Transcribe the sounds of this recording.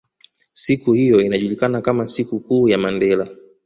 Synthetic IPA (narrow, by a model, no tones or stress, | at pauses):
sikuhijɔinaʄulikanakamasikukuːjamandɛla